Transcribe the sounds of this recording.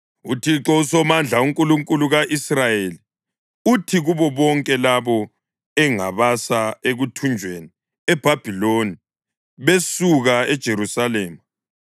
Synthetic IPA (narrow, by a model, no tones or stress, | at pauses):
utʰiǁɔusɔmand͡ɮʱauŋkʼuluŋkʼuluɣaʔisrajeli | utʰiɣuβɔβɔŋkʼɛlaβɔ | ɛŋa̰βasaeɣutʰund͡ʒʱweni | ɛb̥ʱab̥ʱiloni | βesuɣaɛd̥ʒ̥ʱeɾusaleːma